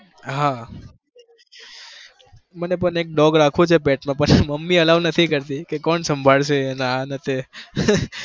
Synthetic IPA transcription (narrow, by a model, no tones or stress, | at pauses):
ɦã | mənepəɳek̚ɖɔɡɾakʰũt͡ʃʰepɛʈmãpənməmːiəlaʋnət̪ʰikəɾt̪ikekɔɳsəmbʱaɭʃenanət̪e